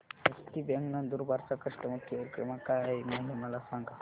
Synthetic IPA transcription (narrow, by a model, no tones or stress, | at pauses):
ɦəst̪ibɛ̃ŋɡnəd̪uɾbaɾt͡sakəʂʈəmət̪ʰjiəɾkɾəmakajmaɦiməlasãŋɡa